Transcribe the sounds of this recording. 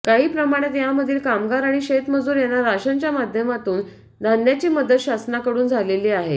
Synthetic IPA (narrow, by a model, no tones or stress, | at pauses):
kaɦiːpɾəmaɽ̃et̪jaməd̪ʱiːlkamɡaɾaɽ̃iɕet̪məd͡zuːɾjanːaɾaɕaɲt͡ɕjamad̪ʱjəmat̪uːn | d̪ʱanːjat͡ɕiːməd̪ət̪ɕasnakəɽuːnd͡zʱaleliːaɦḛ